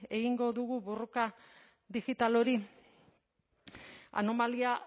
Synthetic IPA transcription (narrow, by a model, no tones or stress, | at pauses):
e̞ɣiŋɡo̞ðuɣuβuruka | ðiɣit̪alo̞ɾi | a̰nomalia